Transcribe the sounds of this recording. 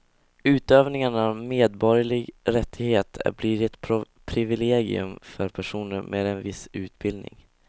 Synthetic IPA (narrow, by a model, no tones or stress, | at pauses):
ʉ̟ːt̪øːvnɪŋaɳavmeːd̪bɔɾjaɭɪɡɾɛt̪ʰːɪɡheːt̪ʰæ̰bliːɾɪɛt̪ʰ | pʰɾɪvɪleːɡɪ̰ɵ̰mfœɾpʰæʂuːnəɾmʔḛːd̪ɛnvɪsʉ̟ːt̪̚bɪld̪nɪ̰ŋ